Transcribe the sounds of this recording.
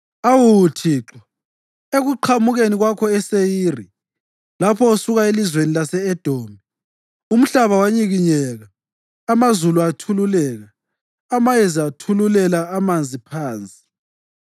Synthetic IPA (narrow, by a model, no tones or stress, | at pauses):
awutʰiːǁa | eɣuǃʰamuɣeniɣwakʰɔɛsejiːri | lapʰɔusuɣaelizwenilasɛːd̥ʱoːmi | um̩ɬaβawaɲiɣiɲɛɣaː | mazuluatʰululɛːɣaː | majɛzatʰululɛlaːmand͡zʱipʰaːnt͡sʼi̥